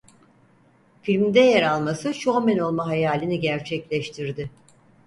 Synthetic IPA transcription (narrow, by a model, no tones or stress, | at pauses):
filʲmd̪ɛjaɾalˠmasɯʃuamɛno̞lˠmaɦajaːlʲiniɟæɾt͡ʃʰɛclʲɛʃt̪ʰiɾd̪ɪ